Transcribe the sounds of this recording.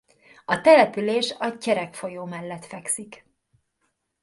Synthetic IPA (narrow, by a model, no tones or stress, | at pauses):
ɒt̪ɛlɛpyleːʃɒcɛɾɛkfo̞joːmɛlːɛt̪fɛksik